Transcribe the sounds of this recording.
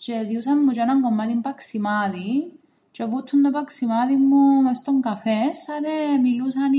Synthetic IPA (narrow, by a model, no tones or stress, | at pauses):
t͡ʃeðiusɐnːut͡ʃenaŋɡomːat̪impaksimaːði | t͡ʃevut̪ʰːund̪opɐksimaðimːumest̪oŋɡafesːɐɾemilusɐn